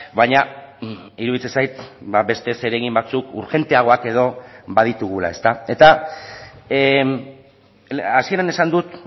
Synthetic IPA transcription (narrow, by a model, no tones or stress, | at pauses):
βaɲa | iɾuðit͡sesajt̪baβe̞st̪e̞se̞ɾe̞ɣimbat͡sukṵɾxe̞nt̪e̞aɣ̞o̞ake̞ð̞o̞bað̞it̪uɣ̞ula̰e̞st̪ae̞t̪a | asie̞ɾane̞sand̪ut̪